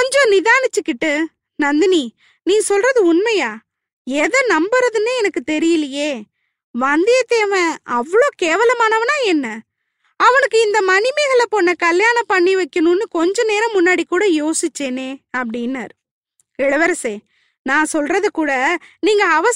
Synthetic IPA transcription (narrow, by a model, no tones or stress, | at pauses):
kɔɲd͡ʒɔ̃nɪðaːnɪt͡ʃːɯkːɪʈːɯ | nɐnd̪ɐni | nĩːsɔlrɐðɯʊnmɐjaː | ɛðɐnɐmbɐɾɐðɯnɯɛnɐkːɯt̪ɛɾɪjɪlɐjeː | ʋɐnd̪ɪjɐt̪ːeːʋɛ̃ɐʋːɐɭoːkeːʋɐlɐmaːnɐʋɐnaːɛnːɐ | ɐʋɐnɯkːɯɪnd̪ɐmɐnɪmeɣɐɭɐponːɐkɐljaːnɐ̃pɐɳːiʋɐɪkːɐnũnːɯkɔɲd͡ʒɔ̃neːɾɐ̃mʊnːaːɽikːuːɽɐjoːsɪt͡ʃːeːneːɐpːɐɽɪnːa̰ːɾ | ɛɭɐʋɐɾɐseː | nãːsɔlrɐðɯkuːɽɐniːŋɡɐɐʋɐ